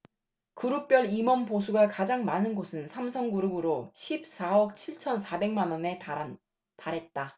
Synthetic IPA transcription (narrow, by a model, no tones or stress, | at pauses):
kuɾuk̚p͈jʌɭimʌmposʰuɡakad͡ʑaŋmanɯnɡosʰɯnsʰamsʰʌŋɡuɾɯɡɯɾoɕʰip̚s͈ʰaʌk̚t͡ɕʰiɭt͡ɕʰʌnsʰabe̞ŋmanʌne̞ | taɾɦe̞t̚t͈a